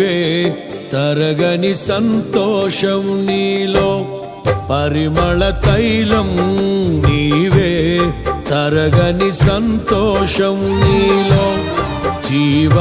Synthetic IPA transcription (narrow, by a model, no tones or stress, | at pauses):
eː | t̪ɐɾɐɡɐnisɐnt̪ɔːʂɐmniːloː | pɐɾimɐɭɐt̪ɐjlɐmniːʋeːt̪ɐɾɐɡɐnisɐnt̪ɔːʂɐmniːloː | d͡ʒiːʋɐ